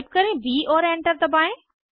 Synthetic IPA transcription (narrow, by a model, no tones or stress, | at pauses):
p̚kɐɾẽʋiːɔːɾẽːɳʈəɾt̪ɐbaːẽ